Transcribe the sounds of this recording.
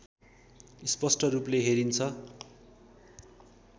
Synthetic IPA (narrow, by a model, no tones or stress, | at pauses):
ispʌsʈʌrupleɦeɾint͡sʰʌ